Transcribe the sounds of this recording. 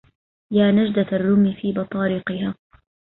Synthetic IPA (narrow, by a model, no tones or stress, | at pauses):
jaːnad͡ʒd̪arːʊmifiːbɑt̪ˤɑːɾiːqɨhaː